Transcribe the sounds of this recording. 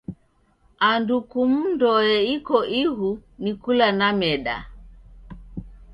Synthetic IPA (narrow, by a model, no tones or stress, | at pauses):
andukum̩ndɔjɛikɔʔihunikulanamɛɗa̰